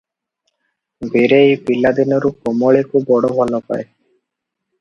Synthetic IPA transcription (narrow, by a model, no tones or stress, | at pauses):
beɾejpilːad̪inoɾukomoɭekʰubːɔɽobʱɔlopa̰e